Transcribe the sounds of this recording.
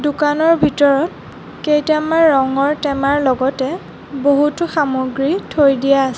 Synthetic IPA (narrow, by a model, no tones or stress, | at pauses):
dukanɔɹbʱitɔɹɔt | kejtamaːɔŋɔɹtɛmaɹlɔɡɔtɛ | boɦutʊxamoɡɹitʰojdijas